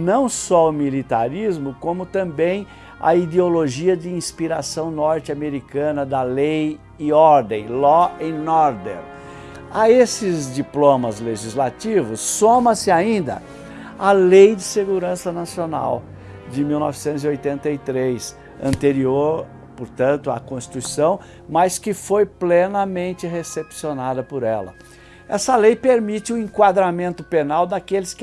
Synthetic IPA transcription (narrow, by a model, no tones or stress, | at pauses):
nɐ̃w̃sɔʊmilit̪a̰ɾizmʊkõmʊt̪ɐ̃bẽj̃ | ɐ̰id̪eoloʒiɐd͡ʒɪĩspiɾasɐ̃w̃nɔɾt͡ʃɪameɾikɐ̃nɐd̪ɐlej | ɪɔɾd̪ẽj̃lɔẽj̃nɔɾd̪ɛ̰ɾ | ɐesɪzd͡ʒiplõmɐzleʒizlat͡ʃivʊsːõmɐ̃sɪaĩnd̪ɐ̰ | ɐlejd͡ʒɪseɡuɾɐ̃sɐnasiona̰w | d͡ʒɪmiwnɔ̰vɪsẽnt̪ʊziojt̪ẽnt̪ɐit̪ɾejs | ɐ̰̃nt̪eɾioɾ | poɾt̪ɐ̃nt̪ʊɐ̰kõst͡ʃi̥t̪uisɐ̃w̃ | mɐskɪfojplenɐmẽnt͡ʃɪɦesepsionad̪ɐpoɾɛlɐ̰ | ɛsɐlejpeɾmit͡ʃɪʊẽkwad̪ɾamẽnt̪ʊpenawd̪akelɪsk